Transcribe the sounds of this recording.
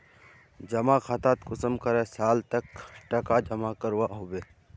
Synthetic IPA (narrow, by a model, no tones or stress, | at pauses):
d͡ʒɐmakʰaːt̪aːt̪kʊsəmkəɾẽsaːlt̪əkʈɐkad͡ʒɐmakəɾwaɦoːbeː